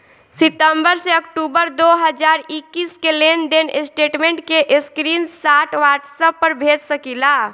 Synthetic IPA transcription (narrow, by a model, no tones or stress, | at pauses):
sit̪əmbəɾseəkʈubəɾd̪oɦəd͡ʒaɾikːiskelend̪enesʈeʈmẽɳʈkeʔeskɾinsaʈʋaʈsəpːəɾbʱed͡ʒsəkila